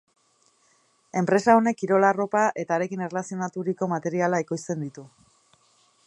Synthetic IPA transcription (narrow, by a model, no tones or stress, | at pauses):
e̞mpɾe̞sao̞ne̞kiɾo̞laro̞paʔe̞t̪aːɾe̞kinerlasio̞nat̪uɾiko̞mat̪e̞ɾialaekojst͡s̪e̞nd̪it̪u